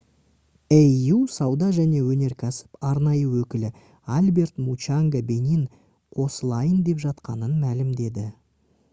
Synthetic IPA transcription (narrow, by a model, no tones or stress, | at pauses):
eusɑwd̪ɑʒæne̞wɵne̞ɾkʲʰæsɪ̥pɑɾnɑjəwɵkʲɪlɪ | alʲbe̞rt̪mut͡ʃaŋɡabe̞nin | qʰo̞səlˠɑjənd̪e̞pʒɑt̪qɑnənmælɪmd̪e̞d̪ɪ